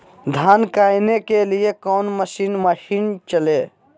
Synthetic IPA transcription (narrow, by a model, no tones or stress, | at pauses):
d̪ʱankajnekelijekɔwnməsinməʃint͡ʃəle